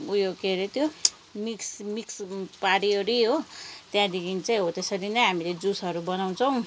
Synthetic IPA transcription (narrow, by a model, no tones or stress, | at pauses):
ujokeɾet̪jo | miksmikspaɾioɾiɦot̪jãd̪ikʰint͡saĩɦot̪esʌɾinʌɦamiled͡zusʌɾubʌnaw̃t͡sʰʌw̃